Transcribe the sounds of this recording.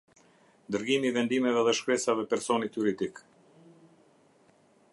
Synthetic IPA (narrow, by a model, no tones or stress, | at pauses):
d̪əɾɡimiːvɛnd̪imɛvɛðɛʃkɾɛsavɛpɛɾsɔnit̪juɾid̪ik